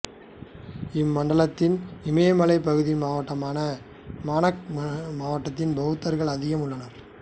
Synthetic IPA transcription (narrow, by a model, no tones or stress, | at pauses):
ɪmːɐɳɖɐɭɐt̪ːɪnɪmɐjɐmɐɭɐɪpːɐɣɯðɪmaːʋɐʈːɐmaːnɐ | maːnɐkmaːʋɐʈːɐt̪ːɪnbɐɣɯt̪ːɐɾɣɐɭɐðɪɣɐmʊɭːɐnɐɾ